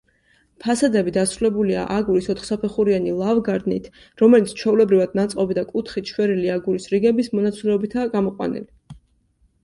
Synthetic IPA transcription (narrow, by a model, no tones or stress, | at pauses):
pʰasad̪ɛbid̪asɾulɛbulia̰ʔaɡuɾisɔt̪ʰχsapʰɛχuɾianilˠavɡaɾd̪nḭt̪ʰ | ɾɔmɛlit̪sʰt͡ʃʰɛulɛbɾivad̪nat̪sʼqʼɔbid̪akʼut̪ʰχit̪ʃwɛɾiliaɡuɾisɾiɡɛbismɔnat̪sʰilɛɔbit̪ʰaɡamɔqʼwa̰nḭli